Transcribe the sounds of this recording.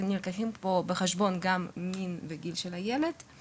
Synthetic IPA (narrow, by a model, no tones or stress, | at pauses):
nilkaχimpobeχeʃbo̞nɡamːinveɡilʃelajeled